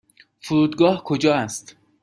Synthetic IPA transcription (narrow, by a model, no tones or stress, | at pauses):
fuɾuːd̪ɡɒːhkʰod͡ʒɒːæst̪